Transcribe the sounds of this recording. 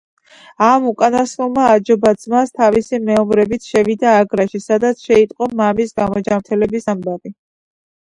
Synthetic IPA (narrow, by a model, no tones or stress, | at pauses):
amukʼanasɔlˠmaːd͡ʒɔbad̪z̥mast̪ʰavisimɛɔmɾɛbit̪sʰʃɛvid̪aːɡɾaʃisad̪at̪sʰʃɛit̪ʼqʼɔmamisɡamɔd͡ʒamɾt̪ʰɛlɛbisambavi